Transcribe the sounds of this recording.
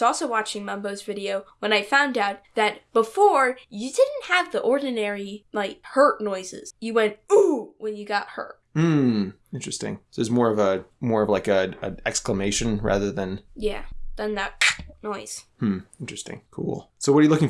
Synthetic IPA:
ɔlˠsoʊwɑt͡ʃɪ̃ŋmʌ̃mboʊzvɪɾioʊwə̃ñaɪfãʊ̃ndaʊt̪̚ðɨt̚b̥əfɔɹjɨdɪdⁿn̩t̚hɨvðiʔɔɹdⁿn̩ɛɹilaɪk̚hɜ˞tⁿnɔɪzɪ̰z̥jɨwɛ̃nt̚uwə̃njɨɡɑt̚hɜ̰˞t̚m̩ | ɪ̃nt͡ʃɹ̥ɨstɪ̰̃ŋððə˞zmɔɹʌvəmɔɹʌvlaɪkɨə̰ɛkskləmeɪʃɨ̃nɹæ̰ðə˞ðɨ̃njæ̰d̥ʌ̃nðɨt̚nɔɪz̥mm̩ɪ̃nt͡ʃɹ̥ɨstɪ̰̃ŋkʰṵlˠsoʊwʌɾəjɨlʊkɪ̃ŋ

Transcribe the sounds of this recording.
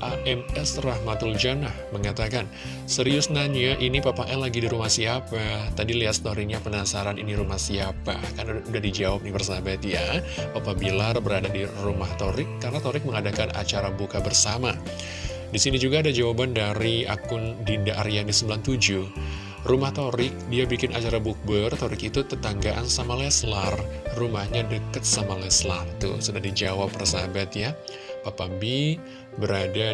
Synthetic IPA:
ʔaʔɛmɛsrahmat̪uld͡ʒanahməŋat̪akan | səɾiʊsnaɲaʔinipapaʔɛlaɡidiɾumahsiapat̪adiliat̪st̪oɾiɲapənasaɾanḭniɾumahsiapa̰karnaudahdid͡ʒawap̚nɪhbərsabat̪japapabilarbəɾadadirumaht̪oɾɪkːarnat̪oɾɪk̚məŋadakana̰t͡ʃaɾabukabərsama | disinid͡ʒuɡaːdad͡ʒawabandaɾia̰kʊndindaʔaɾianisəmbilant̪ud͡ʒu | rumaht̪oɾɪk̚diabikɪnat͡ʃaɾabuk̚bərt̪oɾɪkit̪ut̪ət̪aŋɡaʔansamalɛslarrumahɲadəkət̪̚samalɛslaht̪ṵsudahdid͡ʒawapːərsabat̪ja | papambi | bəɾada

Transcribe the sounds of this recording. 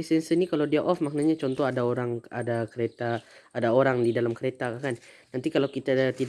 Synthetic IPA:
isɛnsənikalawdiaʔɔfmak̚naɲat͡ʃɔnt̪ɔɦadaoɾaŋadakəɾet̪aːdaoɾaŋdidalamkəɾet̪akakanː | ant̪ikalawkit̪at̪i

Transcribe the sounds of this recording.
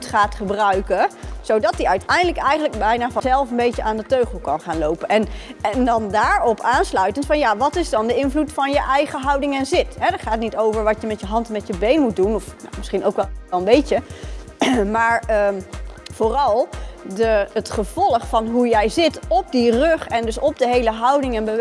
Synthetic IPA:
tχaːtχəbrœɥkəz̥owdɑt̚diœɥtɛjndələkɛjχəndələkbɛjnaːvsɛlˠfənbejcəʔaːndətøɥχəl̩ˠkɑnχaːnlowpənʔɛnɛndɑndaːɹɔpʰaːnslœɥtəntfɑnjaʋɑtɪzdɑndəɪnvlutfɑnjəʔɛjχəɦɑwdɪŋɛnzɪtɦɛdəɹχaːtnitowvəɹʋɑtjəmɛtjəɦɑntɛnmɛtjəbejnmut̚dunɔfna̰mɪsχinowkʋɛɛlˠəmbejə | maːɹə | v̥ʊːrɑlˠdəətχəv̥ɔlˠəχfɑnɦujɛjzɪtɔp̚dirøχɛndɵsɔp̚dəɦejləɦɑwdɪŋɛnbə

